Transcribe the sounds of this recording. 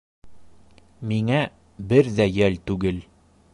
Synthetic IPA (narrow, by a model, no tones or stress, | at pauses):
miŋæ | bɘɾðæjælt̪ʉɡɘl